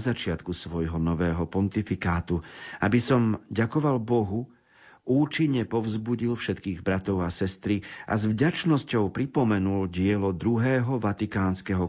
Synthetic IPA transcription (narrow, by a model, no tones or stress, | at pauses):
zat͡ʃɪat̪kusʋɔjɦɔnɔʋɛːɦɔpɔnt̪ifikaːt̪uabisɔmɟakɔʋalbɔɦu | ʔuːt͡ʃiɲːɛpɔvzbuɟilfʃɛt̪kiːɣbɾat̪ɔʊasɛst̪ɾiʔa̰zvɟat͡ʃnɔscɔʊpɾipɔmɛnulɟɪɛlɔd̪ɾuɦɛːɦɔʋat̪ikaːnskɛɦɔ